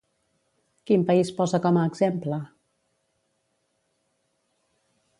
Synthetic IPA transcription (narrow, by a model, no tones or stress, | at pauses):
kimpəispɔzəkɔməːɡzemplə